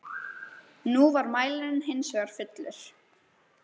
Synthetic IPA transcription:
nuvaɾmaːjlɪɾnɦɪnsvɛɣaɾ̥fʏt̪lʏɾ̥

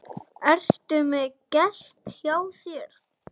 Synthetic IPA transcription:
ɛr̥st̪ʏmɛcɛst̪hjaːwθjɛɾ̥

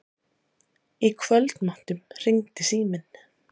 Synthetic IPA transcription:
ikʰvœlt̪nman̥t̪ʏmr̥iŋt̪ɪsiːmɪn

